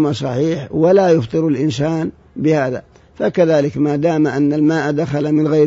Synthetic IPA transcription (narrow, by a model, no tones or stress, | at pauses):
masˤɑħiːħwalajʊft̪ˤɨɾalʔɪnsaːn | bɪhaːða̰ | fakaðaːlɪkmad̪aːmaʔanːalmaːʔd̪axalamɪnɣa